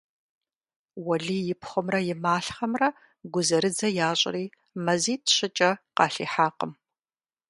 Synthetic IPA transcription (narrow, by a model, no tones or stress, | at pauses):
wɐɮiːjɪpʰχʷʊmrɐjɪmaːɬχɐmrɐ | ɡʷʊzɐɾɨd͡zɐjaːɕʼriː | mɐziːtʰɕɪt͡ʃʼɐqɑ̰ːɬḭːħaːqə̰m